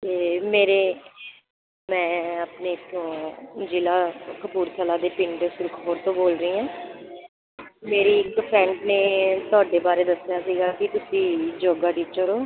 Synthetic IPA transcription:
t̪eːmeːɾeː | mɛ̃ːaːpneːt̪ʰõːd͡ʒilaːkəpuːɾt̪ʰəlaːd̪eːpɪ̃ɳɖsʊɾkʰɦoːɾt̪õːboːlɾəĩːãː | meːɾiːɪkpʰɾɛ̃ːɳɖnẽːt̪ʊaːɖeːbaːɾeːd̪əsːjaːsiːɡaːkɪt̪ʊsiːd͡ʒoːɡaːʈiːt͡ʃəɾoː

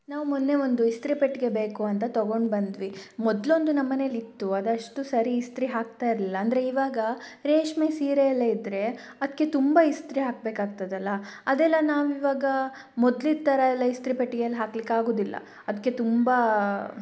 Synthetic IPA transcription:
naːʋumunːe̞ʋond̪uist̪ɾipeʈːɡe̞beːkuɐnt̪ɐt̪ɐɡo̞ɳɖbɐnd̪ʋimɔd̪lo̞nd̪unɐmːɐne̞ːlit̪ːuɐd̪ɐʂʈusɐɾiːst̪ɾiɦaːk̚t̪aːjiɾɐlilːɐːnd̪ɐɾeiʋaːɡɐɾeːʂmesiːɾejɐlːeid̪ɾe̞ | ɐd̪ikːe̞t̪umbaist̪ɾiɦaːk̚beːkaːɡ̚t̪ɐd̪ɐlːɐɐd̪ɛlːɐnaːʋiːʋaːɡɐ | mɔd̪lid̪t̪ɐɾɐɛlːɐist̪ɾipeʈːɡeɐlːɦaːklikːaːɡo̞ːd̪ilːɐ̰ | ɐd̪ɐkːe̞t̪umba

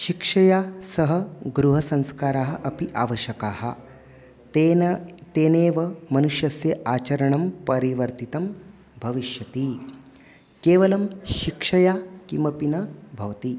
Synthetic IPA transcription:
ʃikʂɐjasɐɦɐɡɾuɦɐsɐ̃ŋ̃skaːɾaːɦɐ̆ʔɐpiʔaːʋɐʃjɐkaːhɐ̰ | t̪eːneːʋɐmɐnuʂjɐsjɐʔaːt͡ʃɐɾɐɳɐmpɐɾiʋɐɾt̪it̪ɐm | bʱɐʋiʃjɐt̪i | keːʋɐlɐmʃikʂɐjakimʋɐpinɐbʱɐʋt̪i

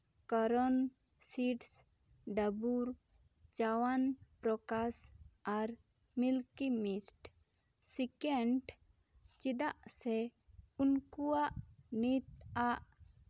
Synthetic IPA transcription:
kɔɾɔn | siʈs | ɖəbuɾ | t͡ʃawanpɾɔkasaɾ | milkimisʈ | sikɛɳʈ | t͡ʃid̪aʔsɛ | unkuwaʔnit̪aʔ

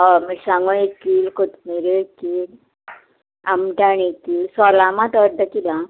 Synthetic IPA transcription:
ɔmisãŋɡũekiːlkʰut̪miɾeekiːl | a̰mʈãnekːilsɔlamãt̪ɔɾd̪əkila

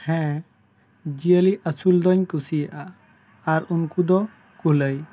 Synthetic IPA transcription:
hɛ̃ | d͡ʒijəliʔasuld̪ɔɲkusijaʔa | aɾunkud̪ɔ | kuɦləj

